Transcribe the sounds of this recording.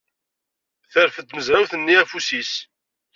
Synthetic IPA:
θəɾfət̪məzæwθənːiæfusis

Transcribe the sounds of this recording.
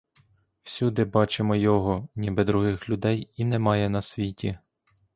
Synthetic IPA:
wsʲud̪ɪbɑt͡ʃemɔjɔɦɔnʲibɛd̪ɾʊɦɪxlʲʊd̪ɛjinɛmɑjɛnɐsʲʋʲitʲi

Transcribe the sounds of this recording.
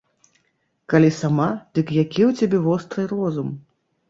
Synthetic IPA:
kalʲisamad̪̥ɨkjakʲiwt͡sʲabʲɛvɔst̪ɾɨjrɔzum

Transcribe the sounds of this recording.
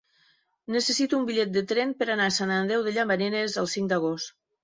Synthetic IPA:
nəsəsit̪uːmbiʎɛt̪̚d̪ət̪ɾɛnpəɾanasananðɛwðəʎambaneɾezəlˠsiŋd̪əɣost̪

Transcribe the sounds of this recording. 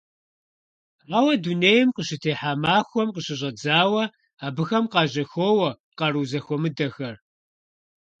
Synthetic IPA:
aːwɐduneːjɪmqəɕɪtʰeːħaːmaːxʷɔmqəɕɪʑʷɐd͡zaːwɐ | aːbɨxɐmqɑːʑɐxoːwɐ | qɑruːzɐxʷɔmɨdɐxɐr

